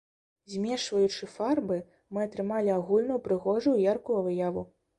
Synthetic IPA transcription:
zʲmʲɛʂvɐjut͡ʂɨfarbɨ | mɨɐt̪ɾɨmalʲiaɣulʲnɐwpɾɨɣɔʐujwjarkuvɨjavu

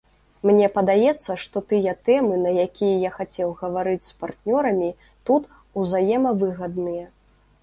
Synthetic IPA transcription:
mnʲɛpɐd̪ajɛt̪sːɐʂt̪ɔt̪ɨjɐt̪ɛmɨnɐjakʲijɐjaxat͡sʲɛwɣɐvaɾɨt͡sʲspart̪nʲɔɾɐmʲi | t̪ut̪ | uzajɛmɐvɨɣɐd̪nɨjɐ

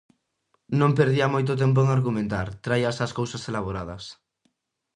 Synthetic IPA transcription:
nõmpeɾðiamojt̪̬ot̪̬emp̬oeŋaɾɣumẽnt̪aɾt̪ɾajasaskowsaselaβ̞oɾaðɐs

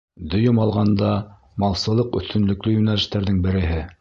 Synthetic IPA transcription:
d̪ɵ̆jɤmɑlˠʁɑnd̪ɑ | mɑlˠsɤ̆lˠɤqɵ̆θt̪ɵ̆nlɵ̆klɵjʉnælɘ̆ʃt̪æɾðɘŋbɘ̆ɾɘ̆ɦɘ

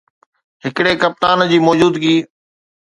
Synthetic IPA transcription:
ɦɪkɽekɐp̚t̪aːnd͡ʑiːmɔːd͡ʑuːd̪kiː

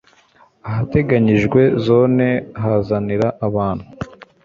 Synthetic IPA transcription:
aɦate̞ɡaɲiʒɡwe̞zo̞ːne̞ɦazaniɾaʔaβaːnhu

